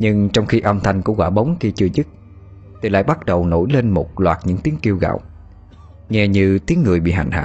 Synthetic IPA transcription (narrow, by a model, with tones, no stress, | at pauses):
ɲɨ˧ŋt͡ɕɔ˧wŋ͡mxi˧ʔə˧wŋ͡mt̪ʰa˧jŋ̟ku˧˩əkwaː˧˩ɓə˨˦wŋ͡mxi˧t͡ɕɨ˧əzɨ˦˥t̚ | t̪i˨˩la̰ː˧˥jɓa˦˥t̚ɗə˨˩wno̰˧˩jle˧nmo˨˩t̚lwaː˨˩t̚ɲɨ̰˧˥ŋt̪i˨˦ənki˧əwɣa̰˧˨w | ŋɛ˧ɲɨ˧t̪i˨˦əŋːɨ˨˩əjɓḭ˧˨ɦa̰˧˨jŋ̟ha̰ː˧˨